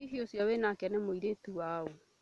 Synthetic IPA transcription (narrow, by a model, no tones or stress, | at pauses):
iɦiosjɔwenakɛnɛmoiɾetuwao